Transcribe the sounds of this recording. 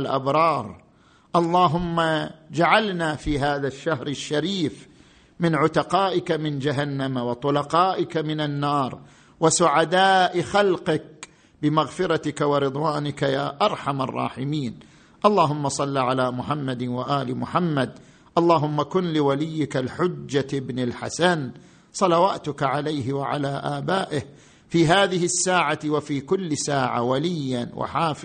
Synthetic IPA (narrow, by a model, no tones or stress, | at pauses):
lʔa̰bɾˤɑːɾˤ | ʔɑlˤːɑːɦʊmːad͡ʒaʕalnafiːɦaːðaʃːahɾɪʃːaɾiːf | mɪnʕʊt̪aqɑːʔɪkamɪnd͡ʒaɦanːamawɑt̪ˤʊlɑqɑːʔɪkamɪnanːɑːɾˤ | wasʊʕad̪aːʔxalqɪk̚ | bɪmaɣfɪɾˤɑt̪ɪkawɪɾɨd̪ˤwaːnɪkajaːʔɑɾˤħamɑ̰rˤːɑ̰ːħɪmiːn | ʔɑlˤːɑːɦʊmːasˤɑlːiʕalaːmʊħamːad̪waʔaːlɪmʊħamːad̪ | ʔɑlˤːɑːɦʊmːakʊnlɪwalɪjːɪkalħʊd͡ʒːaɪbnɪlħa̰san | sˤɑlɑwaːt̪ʊkaʕalajɦɪwaʕa̰laːʔaːbaːʔɪh | fiːɦaːðɪhɪsːaːʕawafiːkʊlːsaːʕa̰walɪjːanwʔa̰ħaːf